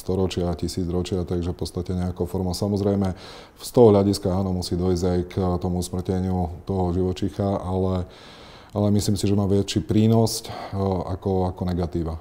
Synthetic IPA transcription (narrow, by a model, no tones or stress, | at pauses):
st̪ɔɾɔt͡ʃɪacisiːd͡zɾɔt͡ʃɪat̪aɡʒɛfpɔt̪t͡sst̪acɛɲɛakofɔɾmɔʊsamɔzɾɛjmɛ | fst̪ɔɦɔɦʎaɟiskaaːnɔmusiːd̪ɔizɟajkt̪ɔmusmr̩cɛɲɪut̪ɔɦɔʒiʋɔt͡ʃixaalɛ | alɛmisliːmsiʒɛmaːʋɪɛt͡ʃipɾiːnɔsca̰kɔakɔnɛɡat̪iːʋa